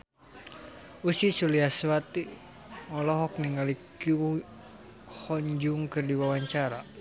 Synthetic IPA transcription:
usisuliaswat̪i | ɔlɔɦɔk̚niŋalikiu | hɔɲd͡ʒuŋkɨrdiwawaɲt͡ʃaɾa

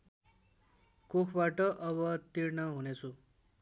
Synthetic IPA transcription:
kokʰbaʈʌʔʌβʌt̪irnʌɦunet͡sʰu

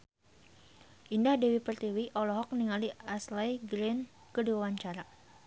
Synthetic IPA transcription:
ʔindahdewipərt̪iwiʔɔlɔɦɔk̚niŋaliaslajɡɾɛn | kəduawaɲt͡ʃaɾa

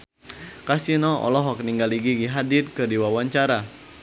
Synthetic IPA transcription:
kasinɔɔ̰lɔɦɔk̚niŋɡaliɡiɡiɦadɪt̚kɨrdiwawaɲt͡ʃaɾa

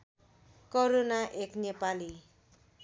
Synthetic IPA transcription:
koɾonaʔeknepali

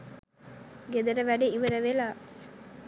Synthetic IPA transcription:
ɡed̪ɐɾəʋæɖeiʋɐɾəʋelaː

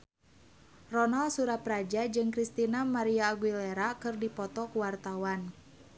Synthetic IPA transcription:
rɔnalsuɾapɾad͡ʒad͡ʒɨŋkɾist̪inamaɾiaːɡwilɛɾakɨrdipɔt̪ɔkuwart̪awan

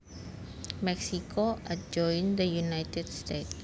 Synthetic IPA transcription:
mɛksikʰoʔad͡ʒɔ̃jnd̪əjunajt̪ɛdst̪et̪̚

